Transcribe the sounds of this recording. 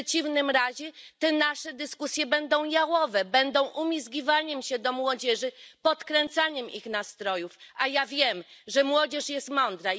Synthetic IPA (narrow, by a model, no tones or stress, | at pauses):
ɛt͡ɕivnɘmɾaʑɛt̪ɛnaʂɛd̪ɘskusʲjɛbɛnd̪ɔ̃w̃jawɔvɛbɛnd̪ɔ̃w̃ʔumʲizɡʲivaɲɛmɕɛd̪ɔmwɔd͡ʑɛʐɘpɔt̪kɾɛnt̪saɲɛmʔixnast̪ɾɔjufajavʲjɛmʐɛmwɔd͡ʑɛʂjɛst̪mɔnd̪ɾa